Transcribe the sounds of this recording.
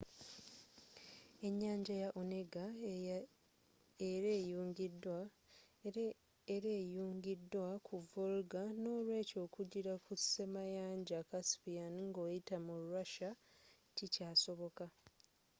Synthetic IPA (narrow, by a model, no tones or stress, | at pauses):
e̞ɲːaːɲɟajaʔone̞ɡa | eɾe̞ːjuːŋɡidːwa | eɾeːjuːŋɡidːwakʰuvulɡano̞ːlwe̞ːco̞ːkuɟiɾaku̥se̞majaːɲɟakaspijanŋɡo̞ːjitamuɾuɾaʃa | ticaːso̞βo̞ka